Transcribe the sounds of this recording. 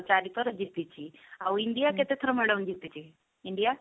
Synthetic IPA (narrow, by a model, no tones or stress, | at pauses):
t͡ɕaɾit̪əɾəd͡ʑit̪ːit͡ɕiauiɳɖijaket̪et̪ʰəɾəməɽəwnd͡ʑit̪ːit͡ɕi | iɳɖija